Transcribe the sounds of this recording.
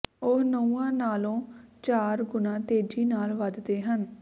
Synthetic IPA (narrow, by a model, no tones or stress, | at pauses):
ʊɦnəũːãːnaːlõːt͡ʃaːɾɡʊnãːt̪eːd͡ʒiːnaːlʋəd̪d̪eːɦən